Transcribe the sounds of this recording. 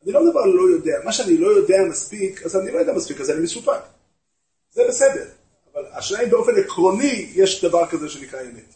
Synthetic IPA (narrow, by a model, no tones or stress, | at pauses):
anilomd̪avaʁlo̞jo̞de̞amaʃeanilo̞jo̞deamaspikazanilojodeamaspikazanimesupak | z̥ebesede̞ʁ | avalaʃnaimbeo̞fe̞nekʁo̞nijeʃd̪avaʁkazeʃemekajemet